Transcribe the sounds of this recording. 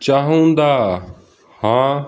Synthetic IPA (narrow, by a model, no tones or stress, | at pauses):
t͡ɕaːɦũnd̪aː | hãː